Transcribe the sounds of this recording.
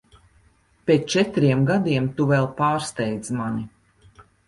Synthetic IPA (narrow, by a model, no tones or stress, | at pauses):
pʲeːt̪t͡ʃɛt̪ɾiɛmɡad̪iɛmt̪uvɛlˠpaːɾst̪ɛjd̪zmani